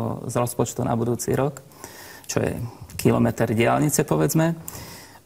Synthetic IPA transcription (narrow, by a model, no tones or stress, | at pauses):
ɔ̰zɾɔspɔt͡ʃt̪unʔa̰bud̪uːt͡sḭɾɔk | t͡ʃɔjɛ̰kilɔmɛt̪ɛɾɟɪalɲit͡sɛpɔʋɛd͡zmɛ